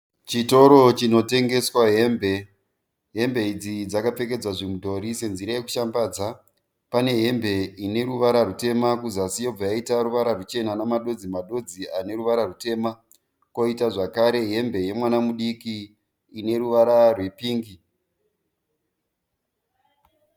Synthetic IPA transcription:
t͡ʃito̞ɾot͡ʃino̞te̞ŋɡe̞swaɦe̞ːmbe̞ | ɦe̞mbe̞id͡zid͡zakap͡fe̞ke̞d͡zaʐemudo̞ɾise̞nziɾaje̞ku̥ʃambaːd͡za | pane̞ɦe̞mbe̞ine̞ɾuʋaɾarute̞makuzasijo̞b͡vajaitaɾuʋaɾarut͡ʃe̞nanamaɗo̞d͡zimaɗo̞d͡ziane̞ɾuʋaɾarute̞ma | ko̞itaʐakaɾe̞ɦe̞mbe̞je̞mwanamuɗikiː | ne̞ɾuʋaɾarwepiːŋɡi

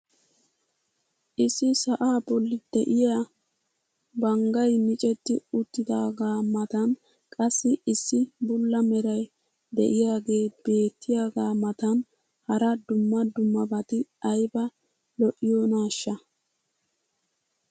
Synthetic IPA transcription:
ʔɪsːɪsɐʔaːbɔlːɪd̪ɛ̰ʔɪja | bɐŋɡɐjmɪt͡ʃʼɛt̪ːɪʊt̪ːɪd̪aːɡaːmɐt̪ɐn | kʼɐsːɪɪsːɪbʊlːɐmɛɾɐj | d̪ɛ̰ʔɪjaːɡe̞ːb̥e̞ːt̪ːɪjaːɡaːmɐt̪ɐn | hɐɾɐd̪ʊmːɐd̪ʊmːɐbɐt̪ɪɐjbɐ | lɔʔːɪjoːnaːʃːɐ

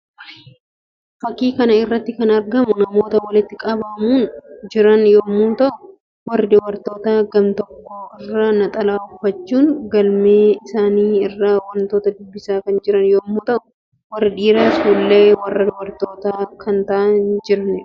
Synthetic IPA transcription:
fɐkːiːkɐnɐɪrːɐt̪ːɪkɐnɐɾɡɐmʊnɐmo̞ːt̪ɐwɐlɪt̪ːɪkʼɐbɐmuːnd͡ʒɪɾɐnjoːmuːnt̪ɐʔʊ | wɐrːɪd̪ʊwɐɾt̪o̞ːt̪aːɡɐmt̪ɔkːo̞ːɪrːanɐt̪ʼɐlaːʊfːɐt͡ʃːuːŋɡɐlmeːɪsaːniːɪrːaːwɐnt̪o̞ːt̪ɐd̪ʊbːɪsaːkɐnd͡ʒɪɾɐnjoːmuːt̪ɐʔʊ | wɐrːɪᶑiːɾaːsuːlːe̞ːwɐrːɐd̪ʊwɐɾt̪o̞ːt̪aːkʰɐnt̪ɐʔɐnd͡ʒɪɾɐnɪɾ

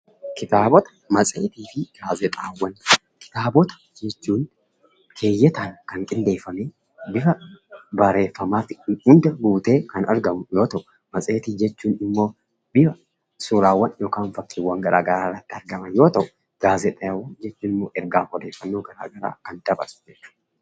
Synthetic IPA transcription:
kɪt̪aːbɔt̪ɐ̥mɐt͡sʼḛːt̪iːfɪɡ̥aːzɛt̪ʼaːwːɐn | kɪ̥t̪aːbɔt̪ɐ̥ | d͡ʒɛt͡ʃːuːn | kʰe̞ːjːɛt̪aːnkɐŋkʼɪnd̪e̞ːfːɐmeː | bɪfɐbɐɾe̞ːfːɐmaːt̪ɪhʊnd̪ɐɡuːt̪e̞ːkɐnɐɾɡɐmʊjo̞ːt̪ɐʔʊ | mɐsʼe̞ːt̪iːd͡ʒɛt͡ʃːuːnɪmːo̞ː | bɪfɐ | suːɾaːwːɐnjoːkaːnfɐkːɪwːɐŋɡɐɾʔa̰ːɡɐɾaːrːɐt̪ːɪɐɾɡɐmɐnjo̞ːt̪ɐʔʊ̥ | ɡ̥aːzɛt̪ʼːwːɐnd͡ʒɛt͡ʃːuːnɪmːoːʔɛɾɡaːkɔd̪eːfːɐnːoːɡɐɾa̰ːɡɐɾa̰ːkɐnd̪ɐbɐ̰ɾsʊ̥d͡ʒɛt͡ʃːu̥ːᶑ̪

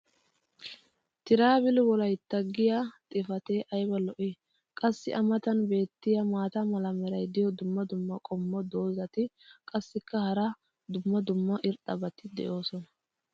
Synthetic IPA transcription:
t̪ɪɾaːbɪlwɔlɐjt̪ːɐɡːɪjat̪ʼɪfɐt̪eːʔɐjbɐlɔʔɪ | kʼɐsːɪ̰ʔɐmɐt̪ɐnbe̞ːt̪ːɪjɐmaːt̪ɐmɐlɐmɛɾɐjd̪ɪjɔd̪ʊmːɐd̪ʊmːɐkʼɔmːɔd̪o̞ːzɐt̪ɪ | kʼɐsːɪkːɐhɐɾɐ | d̪ʊmːɐd̪ʊmːɐʔɪɾt̪ʼːɐbɐt̪ɪd̪ɛ̰ʔo̞ːsɔnɐ

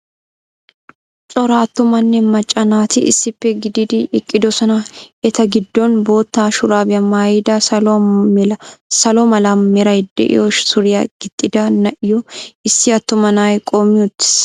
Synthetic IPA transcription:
t͡sʼɔɾaːt̪ːʊmɐnːɛmɐt͡ʃʼːɐnaːt̪ɪʔɪ̰sːɪpːɛɡɪd̪ɪd̪ɪɪkʼːɪd̪ɔsɔnɐɛt̪ɐɡɪd̪ːɔnboːt̪ːaːʃʊɾaːbɪɐmaːjd̪ɐ | sɐlɔmɐlɐmmɛɾɐjd̪ɛ̰ʔɪ̰jɔʃsʊɾɪjɐɡ̥ɪt̪ʼːɪd̪ɐnɐʔɪjɔɪsːɪɐt̪ːʊmɐnaːjkʼoːmːɪʊt̪ːɪ̥s

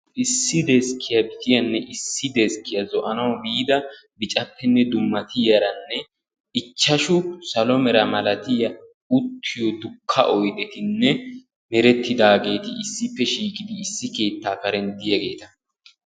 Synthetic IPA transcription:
ʔɪsːɪd̪eɛskʰːɪjɐbɪt̪ɪjɐnːɛʔɪsːɪd̪eskɪjɐzɔʔɐnɐwbiːd̪ɐ | bɪt͡ʃʼɐpːɛnːɛd̪ʊmːɐt̪ɪjɐɾɐnːɛ | ɪt͡ʃːɐʃʊsɐlɔmɛɾɐmɐlɐt̪ɪjɐ | ʊt̪ʰːɪjɔd̪ʊkʰːɐ̰ʔɔjd̪ɛt̪ɪnːɛ | mɛɾɛt̪ːɪd̪aːɡe̞ːt̪ɪɪsːɪpːɛʃiːkʼɪd̪ɪːsːɪke̞ːt̪ːaːkɐɾɛnd̪ɪjɐɡe̞ːt̪ɐ

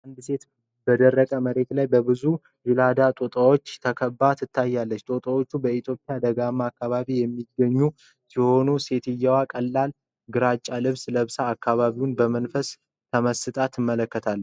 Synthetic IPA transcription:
ʔand̪se̞t̪ | bəd̪ərːəkʼəməɾe̞t̪lajbəbɨzu | jɪlad̪at̪ʼot̪ʼawot͡ʃːt̪ʰəkʰəbːat̪ʰɨt̪ʰːajːalːət͡ʃːt̪ʼot̪ʼəwo̞t͡ʃːubəit̪ʰjo̞pʼjad̪əɡamːaːkːaβaβijɛmːiɡːəɲːu | siho̞nuse̞t̪ɪjːawakʼəlːal | ɡɨɾat͡ʃʼːalɨβsləβsaːkːaβaβiwunbəmənfəs | t̪ʰəməsɨt̪ʼat̪ɨmːələkːət̪ʰalːə

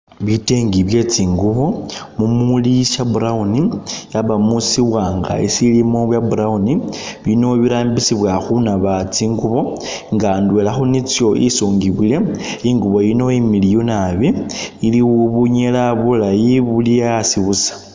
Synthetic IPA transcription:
βiteːŋɡiβje̞t͡siːŋɡuβo̞mumuliʃabuɾaunijaβamusiβwaːŋɡa̰ḭsilimo̞βwjabuɾauniβino̞βiɾaːmbisiβwaxunaβat͡siːŋɡuβo̞ | ŋɡandwelaxunit͡sjo̞ʔisoːŋɡiβile̞iŋɡuβo̞jino̞imilijunaβiiliwuβuɲelaβulajiβulijasiβusḁ

